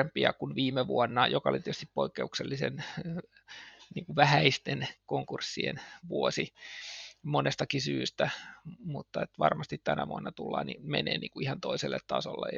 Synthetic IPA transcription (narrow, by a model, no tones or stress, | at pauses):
empiɑkunʋiːmeʋuonːɑjokɑolit̪est̪ippoikːeukselːisen | niːŋkuʋæhæist̪enkoŋkursːiḛnʋuosi | monest̪ɑkisyːst̪æmut̪ːɑet̪ʋɑrmɑst̪it̪t̪ænæʋuonːɑt̪ulːɑ̰ːnimenḛːnḭːŋkuihɑnt̪oiselːet̪t̪ɑsolːḛ